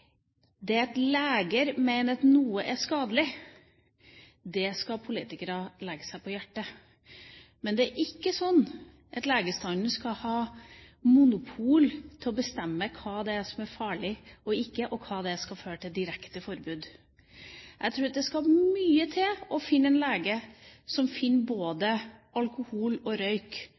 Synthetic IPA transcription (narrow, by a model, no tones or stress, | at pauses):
d̪ɛɛt̪leːɡəɾmeɪnət̪nuːəʔæɾskɑːd̪əlɪ | d̪ɛskɑpʰʊlḭːt̪ɪkəɾɑlɛɡəsæɪpʰɔjæʈːə | mɛnd̪ɛæɾʔɪkːəsɔnː | ʔɑt̪leːɡəst̪ɑnnəskɑhɑːmʊnʊpʰuːlt̪ʰɪlɔbəst̪ɛmːəkʰɑːd̪ɛsɔmæɾfɑːɭɪɔɪkːəʔɔkʰɑːd̪ɛskɑføːɾəʈ̪ʰɪd̪ɪɾɛkt̪əfɔɾbʉːd̪ | ʔæɡt̪ʰɾuːɾɑt̪̚d̪ɛskɑhɑmyːət̪ʰɪɔfɪnːəɛnleːɡəsɔmfɪnːboːd̪əɑlkʊhuːlɔɾœʏk